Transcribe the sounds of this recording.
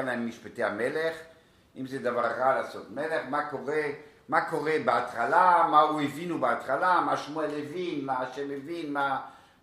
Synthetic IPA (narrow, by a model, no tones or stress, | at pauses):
ammːiʃpatehameleχ | ʔimzed̪avaʁːalaːsotmele̞χmakoʁe | mako̞ʁebeat̪χalamauevinubeat̪χalamaʃmuelevinmaːʃemevinma